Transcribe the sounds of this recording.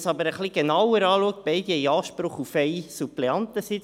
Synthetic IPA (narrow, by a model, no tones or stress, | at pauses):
sɑbəɾəχliɡ̥enɑwəɾɑːluək̚t̚b̥ɛɪd̥̪iɛjɑːʃpɾʊχufɛɪsupleɑnt̪əsɪt͡s